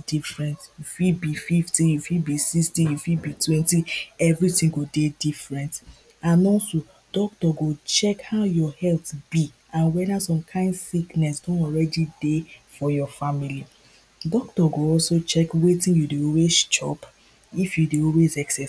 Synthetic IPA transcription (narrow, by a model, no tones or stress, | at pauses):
difɹɛ̃ntjufibififtijufibisikstijufibitʰwɛ̃ntiɛvɹitĩŋɡodedifɹɛ̃nt | ãnɔso | d̥ɔk̚tɔɡot͡ʃɛkhaʊjɔhɛltb̥i | ãnwɛdasɔ̃mkʰãɪ̃ndsiknɛsdɔ̃nɔlɹɛdidefɔjɔfamili | dɔk̚tɔɡoɔlsot͡ʃɛkwetĩnjudeɔlwezt͡ʃɔ̰p | ifjudeɔlwezɛksɛ